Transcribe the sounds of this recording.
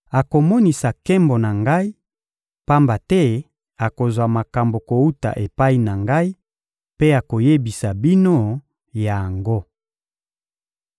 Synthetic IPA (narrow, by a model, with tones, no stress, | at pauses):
a˨ko˨mɔ˦ni˨sa˨kɛ˦mbo˨na˨ŋɡa˦i˦ | pa˦mba˨tɛ˦ | a˨ko˨zwa˨ma˨ka˨mbo˨ko˨u˦ta̰˨ʔe˨pa˦i˦na˨ŋɡa˦i˦ | pe˦a˨ko˨je˦bi˨sa˨bi˦no˦ | ja˨ja˨ŋɡo˦